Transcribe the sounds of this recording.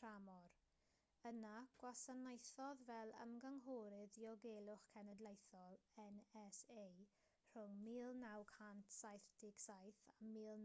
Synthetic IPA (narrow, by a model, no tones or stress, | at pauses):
ramɔr | ənaɡ̥wasanajθɔðvɛlˠə̰mɡəŋɦuɾɨðiɔɡelˠʊχkʰɛnɛdlejθɔlˠɛnɛsej | r̥ʊŋmiːlˠnawkʰhantʰsajθd̥ɪɡsajθamiːlˠn